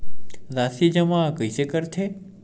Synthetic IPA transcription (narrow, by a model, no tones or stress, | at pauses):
zasid͡ʒəmakəjsekəɾtʰe